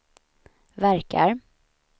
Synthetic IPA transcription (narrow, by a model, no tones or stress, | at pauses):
væɾkʰa̰ɾ